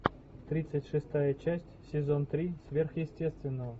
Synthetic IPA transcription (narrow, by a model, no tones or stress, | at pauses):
t̪ɾʲit̪sətʲʂɨst̪ajət͡ɕæsʲtʲsʲɪzont̪ɾʲisʲvʲerxjɪsʲtʲest̪vʲɪnːəvə